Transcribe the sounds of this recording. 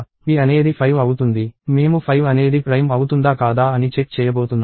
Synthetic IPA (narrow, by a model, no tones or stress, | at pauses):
ʋiːɐne̞ːd̪ipʰɐjʋɐwut̪und̪ime̞ːmupʰɐjʋɐne̞ːd̪ipɾɐjmɐwut̪und̪aːkaːd̪aːɐnit͡ʃek̚t͡ʃɛːjɐboːt̪unː